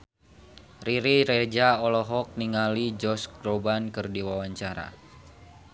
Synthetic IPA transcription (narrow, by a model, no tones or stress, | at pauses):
riɾiɾed͡ʒaɔlɔɦɔk̚niŋalid͡ʒɔsɡɾobankɨrdiwawaɲt͡ʃaɾa̰